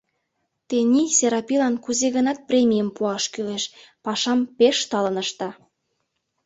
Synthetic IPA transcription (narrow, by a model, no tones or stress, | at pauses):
t̪enʲiseɾɑpilɑnkuzeɣənɑt̪̚prʲemʲijəmpuɑʃkyleʃpɑʃɑmpeʃt̪ɑlə̆nəʃt̪ɑ